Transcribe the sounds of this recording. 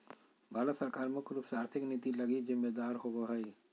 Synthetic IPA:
baːləsəɾkaːɾmekʊlɪfsaːɾt̪ʰɪkniːt̪ilɐɡid͡ʒɪmːed̪aːɾɦoɡoɦəi

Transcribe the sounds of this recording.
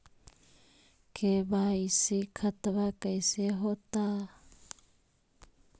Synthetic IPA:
kʰeβaisikʰat̪aβakajseɦot̪a

